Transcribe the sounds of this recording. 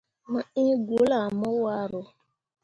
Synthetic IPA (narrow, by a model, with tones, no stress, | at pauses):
mə˨ĩ˦ɡo˨˦la˨mɔ˦wa˦ɾo˨